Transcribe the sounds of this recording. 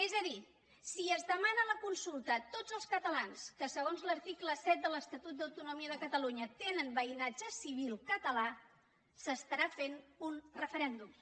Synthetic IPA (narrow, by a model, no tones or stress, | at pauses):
ezəði | siəzðəmanələkunsulˠt̪ət̪odd͡zəlˠskət̪əlanskəsəɣ̞onzləɾt̪ikləsɛt̪̚d̪ələst̪ət̪ut̪̚d̪əwt̪unumiəðəkət̪əluɲət̪enənbəinad͡ʒəsiβ̞ilˠkət̪əla | səst̪əɾafenunrəfəɾɛnd̪um